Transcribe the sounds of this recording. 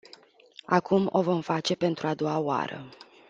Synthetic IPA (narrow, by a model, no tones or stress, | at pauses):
akumo̞̰vo̞mfat͡ʃe̞pe̞nt̪ɾuad̪o̞waoa̰ɾə̰